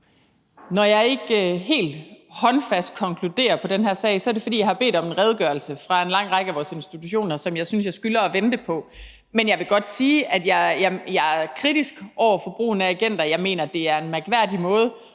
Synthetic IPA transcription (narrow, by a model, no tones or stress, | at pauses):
nɒjɑ̈ɪe̝ɡ̥ɦe̝̰ːld̥hɒ̽nfæsd̥̚kʰɒ̽ŋkʰlud̥e̝̰ːɐpʰɒ̽d̥enɦæɐ̰sɛ̰ːɪsɒ̽æɐɾe̝fɒ̽d̥ḭːjɑaɪhɑ̈b̥e̝̰ːd̥ɒ̽menʁɛð̞ˠɡ̥ɶɐlsəfʁɑ̈e̝nlɑ̈ŋ̰ʁɑ̈ɡ̥əæʋɒːse̝nsd̥it͡sʰuɕo̝̰ːnɐsɒ̽mjɑ̈ɪsynsjɑɪsɡ̥ylɐːʋend̥əpʰɒ̽ | menjɑ̈ɪʋe̝ɡ̥ɒ̽d̥siːæd̥jɑ̈ɪjɑ̈jɑ̈kʰʁid̥isɡ̥ʔɒʊ̰ɐfɒ̽b̥ʁṵːnææɡ̥en̰d̥ɐjɑ̈ɪme̝̰ːnɐd̥e̝æɐe̝nmæɡ̥ʋæɐ̰d̥imɔ̽ːð̞̩ˠ